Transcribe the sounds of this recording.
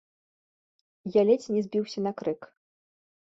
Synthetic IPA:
jalʲɛt͡sʲnʲɛzʲbʲiwsʲɐnɐkɾɨk

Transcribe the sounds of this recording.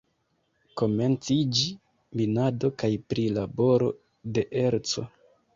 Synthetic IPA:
ko̞me̞nt͡sid͡ʒi | minado̞kajpɾilabo̞ɾo̞̰ | de̞ʔe̞ɾt͡so̞

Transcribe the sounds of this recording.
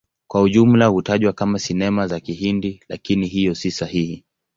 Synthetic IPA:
kwauʄum̩lahutaʄwakamasinɛmazakiɦindilakiniɦijɔsisahihi

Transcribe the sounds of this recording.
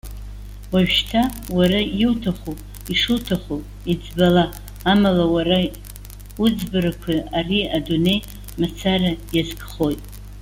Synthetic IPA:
waʒᶣʃtʰawaɾajɪwtʰaχo | iʂɨtʰaχo | id͡zbalaː | malawaɾa | ud͡zbɨɾakʷʰiariadune̞j | mat͡sʰarajazɡʼχo̞jtʼ

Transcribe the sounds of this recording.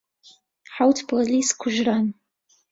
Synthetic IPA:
ħawt̪ʰpʰoliskʷʰʊʒɾan

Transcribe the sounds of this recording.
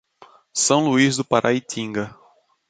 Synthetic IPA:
sɐ̃w̃luizd̪ʊpaɾʔa̰it̪ʰĩŋɡɐ

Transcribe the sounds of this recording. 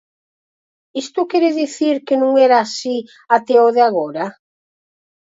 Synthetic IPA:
ist̪ʊkɛɾeðiθiɾkenũŋɛɾaːsi | at̪ɛoðeaɣ̞oɾa

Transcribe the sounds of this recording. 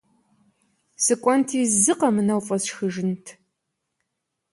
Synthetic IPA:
sɨkʷʼɔntʰiːzɨqɐmɨnɐwfʼɐsxɨʒɪntʰ

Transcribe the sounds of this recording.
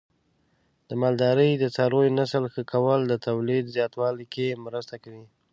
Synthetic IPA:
d̪̥əmɑld̪ɑɾəjd̪ət͡sɑɾojnasəlxəkʰawəld̪ət̪awlid̪zjɑt̪wɑlikemɾəst̪akawi

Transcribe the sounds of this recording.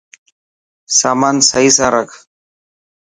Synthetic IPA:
saːmaːnsəiːsãːɾɐkʰ

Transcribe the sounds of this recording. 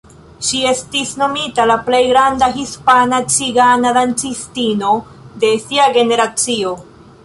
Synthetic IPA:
ʃie̞stisno̞mitalaple̞jɡɾandaɦispanat͡siɡanadant͡sistino̞ | de̞siaɡe̞ne̞ɾat͡sio̞

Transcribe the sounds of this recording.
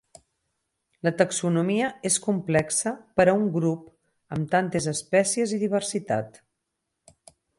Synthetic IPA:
lət̪əksunumiəeskumplɛksəpəɾəuŋɡɾup | əmt̪ant̪ezəspɛsieziðiβ̞əɾsit̪a̰t̪

